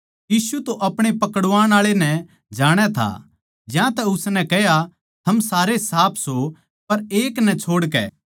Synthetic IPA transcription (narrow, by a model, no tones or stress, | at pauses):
jiːsut̪oʔɐpɽ̃epɐkəɽʋaːɽ̃aːɭenɛ | d͡ʒaːɽ̃ɛt̪ʰa̰ | d͡ʒjãt̪ɛʊsnɛ̃kɛɦja | t̪ʰɐmsaːɾesaːpʰso | pɐɾeːknɛ̃t͡ʃʰoːɽkɛ̰ː